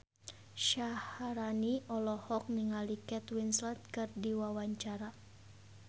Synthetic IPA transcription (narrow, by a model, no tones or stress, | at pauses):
ʃahaɾaniɔlɔhɔk̚niŋalikɛt̪winslat̪̚kɨrdiwawaɲt͡ʃaɾa